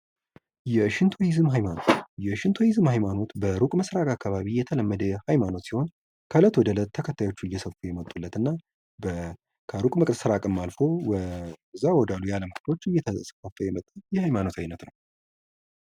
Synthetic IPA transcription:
jɛʃɪnt̪ʰojɪzɨmɦajmano̞t̪jɛʃɪnt̪ʰojɪzɨmhajmano̞t̪bəɾukʼməsɾakʼakːaβaβijɛt̪ʰələmːəd̪əhajmano̞t̪siho̞n | kʰələt̪wɔd̪ələt̪ʰːəkʰət̪ʰːajo̞t͡ʃːuɨjːɛsəfujɛmət̪ʼːulːət̪ɨnːa | bə | kʰəɾukʼməkʼt̪sɨɾakʼɨmːalfo̞wzːawɔd̪alujaləmkʰʼɨt̪ʰo̞t͡ʃːɨjːɛt̪ʰəsə̥fəfːəjɛmət̪ʼːajɛhajmano̞t̪ʰajnət̪nəw

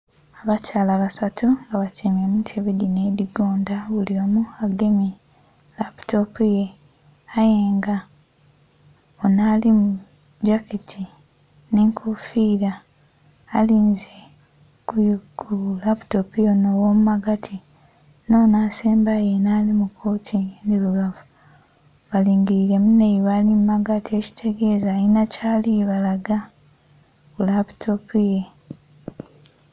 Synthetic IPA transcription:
aβacaːlaβasatuŋɡaβaceːmemutʰeβedinediɡoːndaβulio̞ːmuaɡemi | laptopuje | ajeːŋɡa | onalimu | d͡ʒaketʰi | neŋkʰufiːɾaː | liːnze | kukʰulapu̥topijo̞nowomumaɡatʰi | no̞naːseːmbajenaːlimukʰo̞ːtʰiendiβuɡavu̥ | βaliːŋɡiɾiɾe̞mune̞iβalimmaɡatʰie̞ci̥tʰe̞ɡe̞ːzainacaːliβalaɡa | kulapu̥tʰopije

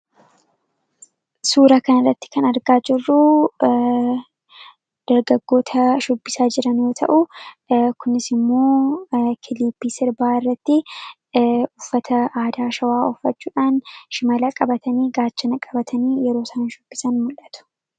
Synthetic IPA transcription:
suːɾɐkɐnɐrːɐt̪ːɪ̥kɐnɐɾɡaːd͡ʒɪrːʊ | d̪̥ɐɾɡɐɡːo̞ːt̪ʰɐʃʊbːɪsaːd͡ʒɪɾɐnjoːt̪ʰɐ̰ʔʊ | kʊnɪsɪmːoːkʰɪliːpːiːsɪɾbaːɪrːɐt̪ːɪ | ʊfːɐt̪ʰɐaːd̪aːʃɐwaːɔfːɐt͡ʃːuːᶑaːnʃɪmɐlɐkʼɐbɐt̪ɐniːɡaːt͡ʃːɐnɐkʼɐbɐt̪ʰɐniːjɛɾo̞ːsɐnɐʃʊbːɪsɐnmʊlʔːɐt̪ʊ̥

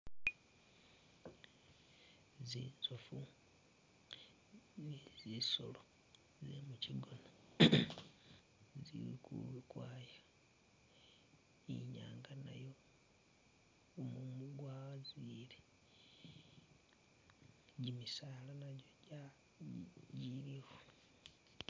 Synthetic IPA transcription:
ziːnzufu | niziso̰lo | zḛmuciɡo̞no | zḭwḭkʰṵlukwaːjo | ḭɲa̰ːŋɡana̰jo̞ | mumuɡwaazile | ɟimisaːlanaɟoɟa | ɟiliwe

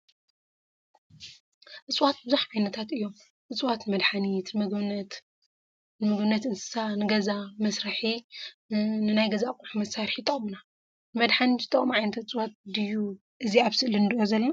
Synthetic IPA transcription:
ʔɨt͡sʼwat̪̚bɨzaħkʰʷajnɐt̪ʰat̪ɨjːom | ʔɨt͡sʼwat̪nɨmɐd̪ħanit̪nɨmɐɡt̪ | nɨmɐɡɨnːɐt̪ɨnsɨ̥sanɨɡɐzamɐsɾɐħi | nɨnajɡɐzakʼuħumɐsaɾħit̪ʼɐχʼmuna | nɨmɐd̪ħanizɨt̪ʰʼɐkʼmʕajnɐt̪ʰɨt͡sʼwat̪̚d̪ɨju | ʔɨziaβsɨʔlinɨd̪ʔozɐlːɐna

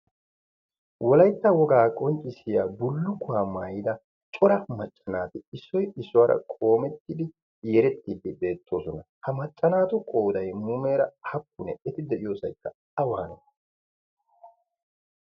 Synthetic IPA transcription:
wɔlɐjt̪ːɐwɔɡaːkʼɔnt͡ʃʼːɪsɪjaːbʊlːʊkːʊwaːmaːjɪd̪ɐ | t͡ʃʼɔɾɐmɐt͡ʃʼːɐnaːt̪ɪɪsːɔjɪsːʊwaːɾʔɐ̰kʼo̞ːmɛt̪ːɪd̪ɪ | jɛɾɛt̪ːɪdɪbe̞ːt̪ʰːo̞ːsɔnɐ | hɐmɐt͡ʃʼːɐnaːt̪ʊkʼo̞ːd̪ɐjmuːme̞ːɾɐhɐkːʊnɛɛt̪ɪd̪ɛʔɪjo̞ːsɐjkːɐ | ɐwaːnɐ

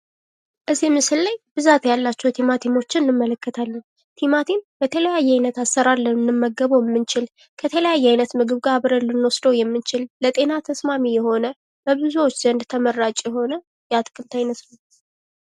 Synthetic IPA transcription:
ʔɨzimɨsɨlːajb̥ɨzat̪jalːat͡ʃːɛwt̪ʰimat̪ʰimo̞t͡ʃːɪnɨnɨmːələkːət̪ʰalːən | t̪ʰimat̪ʰimbət̪ʰələjajːɛajnət̪asːəɾalːənɨnːɨmːəɡːəβoɪmːɨnt͡ʃɪl | kʰət̪ʰələjajːɛajnət̪mɨɡɨβɡaβɾəlːɨnwɔsd̪əwjɛmːɨnt͡ʃɪlːət̪ʼe̞nat̪ʰəsmamijɛho̞nə | bəβɨzuwo̞t͡ʃːz̥ənd̪t̪ʰəmərːat͡ʃʼjɛɦo̞nə | jɛat̪ʼkʼɨlt̪ʰajnət̪nəw

